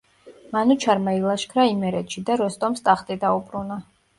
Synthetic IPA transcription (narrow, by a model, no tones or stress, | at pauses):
manut͡ʃʰaɾmailˠaʃkʰɾaimɛɾɛt̪ʃid̪aɾɔst̪ʼɔmst̪ʼaχt̪ʼid̪aubɾuna